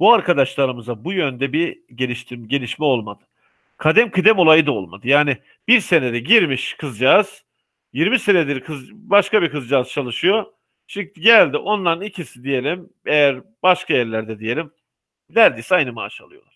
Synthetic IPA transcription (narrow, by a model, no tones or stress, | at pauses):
buaɾkʰad̪aʃlˠaɾɯmɯzabujø̞nd̪ɛbiɟelʲiʃt̪ʰimɟe̞lʲiʃmɛo̞lˠmad̪ɯ̥ | kʰad̪ɛmkʰɯd̪ɛmo̞lˠajɯd̪ao̞̰lˠma̰d̪ɯjaːnɪ | b̥iɾse̞ned̪ɛɟiɾmiʃkʰɯzd͡ʒaːz̥ | jiɾmise̞ned̪iɾkʰɯzbaʃkabikɯzd͡ʒaːzt͡ʃʰalˠɯʃɯjo̞ | t͡ʃʰiiɟælʲd̪iʔo̞nlˠaɾɯnicʰisid̪ije̞lʲim | ejæɾ | b̥aʃkʰajæɾlʲæɾd̪ɛd̪ije̞lʲim | næɾd̪e̞jsiajnɯma̰ːʃa̰lˠɯjo̞̰lˠḁɾ̥